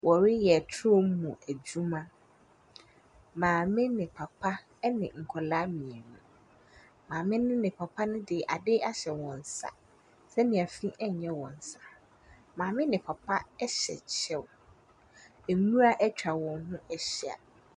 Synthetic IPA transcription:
wɔ˨ɾɪ˦jɛ˨tʰo˦m˦mũ˨æ˨d͡ʑu˦mã˦ | mãː˨mɪ̃˦nɪ̃˨pʰa˨pʰa˦ | nɪ̃˨ŋ̩˨kʰɔ˨la˦mĩ˨ɛ˨nũ˨ | mãː˨mɪ̃˦nʊ̃˦nɪ̃˨pʰa˨pʰa˦nʊ̃˦dɪ˨ʔa˨dɪ˦a˦ɕɛ˨wɔ̃˨n̩˨sa̰˨ | sɛ˦nĩ˨æ˨fĩ˦ʔɛ˦ɲ˨ɲɛ̃˦wɔ̃˨n̩˨sa˨ | mãː˨mɪ̃˦nɪ̃˨pʰa˨pʰa˦ɛ˦ɕɛ̰˨t͡ɕʰɛ˦w | æ˨nũ˦a˦ʔɛ˦t͡ɕᶣɾa˨wɔ̃˨n˦ɦʊ̃˦ʔɛ˦ɕi˦a̰˨

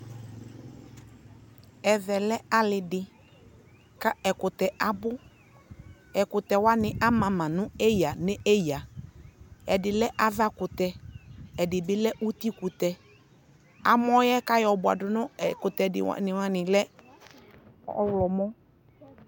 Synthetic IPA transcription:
ɛ˨vɛ˨lɛ˦a˦lɪ˨dɪ˨ | ka˦ɛ˨kʊ˨t̪ɛ˨ʔa˨bʊ˦ | ɛ˨kʊ˨t̪ɛ˨wa˦nɪ̃˨ʔa˦mã˨mã˨nʊ̃˦e˦ja˨nɪ˦e˦ja˨ | ɛ˨dɪ˨lɛ˦ʔa˦va˦kʊ˨t̪ɛ˨ɛ˨dɪ˨bɪ˦lɛ˦ʔu˦t̪i˦ku˨t̪ɛ˨ | a̰˨m˦ɔ˦jɛ˦ka˦jɔ˨bʊ˨a̰˨dʊ˨nʊ̃˦˨kʊ˨t̪ɛ˨dɪ̰˨w̰nɪ̃˨wã˦nɪ̃˨lɛ˦ | ɔ˦wlɔ˨mɔ˦

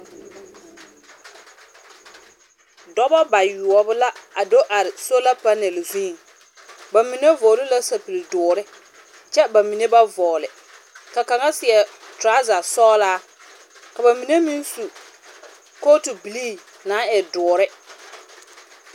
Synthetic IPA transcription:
dɔ˦bɔ˦ba˨ju˨ɔ˨bʊ˦la˦a˨do˦ʔa˨ɾɪ˨so˦la˦pa˦nɛ˨lzĩː˦˨ŋ | ba˨mi˨ne˦vɔː˨lɪ˦la˦sa˨pi˨ldʊː˨ɾɪ˦ | t͡ʃɛ˦ba˨mi˨ne˦ba˦vɔː˨lɪ˨ | ka˨ka˨ŋa˦sɪ˨ɛ˨tɾa˦za˨sɔː˦laː˦ | ka˨ba˨mi˨ne˦mi˦n˦su˨ | ko˦tu˨bi˨liː˦ | naː˨˦ɛ˨dʊː˨ɾɪ˦

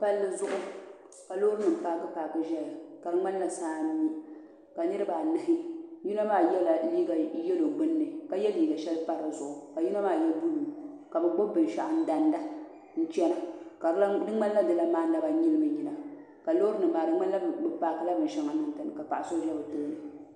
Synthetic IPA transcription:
pa˦lːɨ˦zʊ˦ʔʊ˦ | ka˨lo˦ɾɨ˦nɨ˨m̩˨paː˨ɡɨ˦paː˨kɨ˨ʒɛ˦la˨ka˨dɨ˦ŋ͡ma˦n˦la˨saː˦n˦i˦ | ka˨nɨ˦ɾɨ˦ba˨nɨ˨hɪ˦ju˦na˦maː˦jɛ˦la˨liː˦ɡa˨˦jɛ˦lo˨ɡ͡bɨ˦nːɨ˨ka˨jɛ˦liː˦ɡa˨ʃɛ˦lpa˦ɾɨ˨zʊ˨ʔʊ˨ka˨ju˦na˦maː˦˨jɛ˦lbu˦lu˨ | ka˨bɨ˨ɡ͡bo˦bɨ˨n˨ʃa˨ʔa˨n̩˦da˨nda˦ | n̩˦t͡ʃɛ˦na˨ka˨˦dɨ˦ŋ͡ma˦n˦a˦dɨ˨la˦maː˦na˦ba˨ɲi˦lɨ˦mɨ˨ɲi˨na˨ | ka˨lo˦ɾɨ˦nɨ˨mbaː˨dɨ˦ŋ͡ma˦n˦la˦˨ɡ͡bɨ˦paː˨˦˨kɨ˨˦la˦bɨ˨n˨ʃɛ˦ŋa˨nɨ˨n˨tɨ˨nɨ˨ka˨pa˨ʔa˨so˦ʒɛ˦bɨ˨tɨ˦nɨ˨

